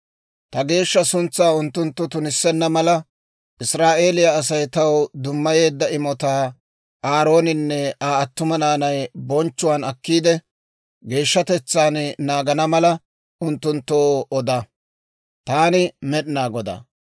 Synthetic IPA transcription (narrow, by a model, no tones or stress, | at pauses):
t̪ɐɡe̞ːʃːɐsʊnt͡sːaːʊnt̪ːʊnt̪ːʊt̪ʊnɪsːɛnːɐmɐlɐ | ʔɪsɾaːʔe̞ːlɪjaːs̬ɐjt̪ɐwd̪ʊmːɐje̞ːd̪ːɐɪmɔt̪aː | ʔaːɾo̞ːnɪnːɛaːɐt̪ːʊmɐnaːnɐjbɔnt͡ʃːʊwaːnɐkːiːd̪ɛ | ɡe̞ːʃːɐt̪ɛt͡sːaːnnaːɡɐnɐmɐlɐ | ʔʊnt̪ːʊnt̪ːoːɔd̪ɐ | t̪aːnɪmɛɗɪnaːɡɔd̪a̰